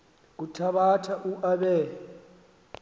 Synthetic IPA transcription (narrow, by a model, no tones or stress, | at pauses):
k̬utʰaɓatʰaʔuʔaɓɛː